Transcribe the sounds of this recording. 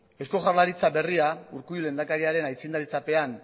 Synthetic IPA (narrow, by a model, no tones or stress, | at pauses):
e̞sko̞ʝarlaɾit͡sabe̞riauɾkujule̞nd̪akaɾiaɾe̞najt͡sind̪aɾit͡sape̞an